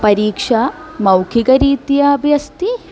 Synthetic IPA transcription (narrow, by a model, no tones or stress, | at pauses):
pɐɾiːkʂɐmɐwkʰiɡɐɾiːt̪ijɐɐbʱjɐst̪i